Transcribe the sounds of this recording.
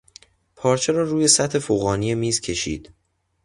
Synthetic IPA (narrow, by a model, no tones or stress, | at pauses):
pʰɒːɾt͡ʃʰe̞ɾɒːɾuːje̞sæt̪he̞foɣɒːnijemiːzcʰe̞ʃḭːd̪̥